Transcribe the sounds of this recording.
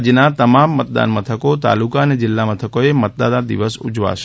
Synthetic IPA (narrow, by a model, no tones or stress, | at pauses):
d͡ʒnat̪əmamːət̪̚d̪a̰nmət̪ʰəkot̪a̰lukaəned͡ʒɪlːamət̪ʰəkoemət̪̚d̪ad̪ad̪ḭʋəsṵd͡ʒʋa̰ʃ